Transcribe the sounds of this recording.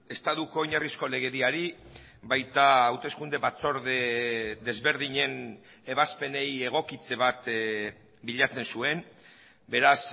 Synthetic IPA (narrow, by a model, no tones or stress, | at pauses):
e̞st̪aðuko̞iɲarisko̞le̞ɣ̞e̞ðiaɾi | bajt̪aːwt̪e̞skund̪e̞βat͡so̞ɾðed̪e̞zβe̞ɾð̞iɲe̞n | eβaspe̞ne̞je̞ɣ̞o̞kit͡se̞β̞at̪ | biʎat͡se̞nsue̞n | be̞ɾas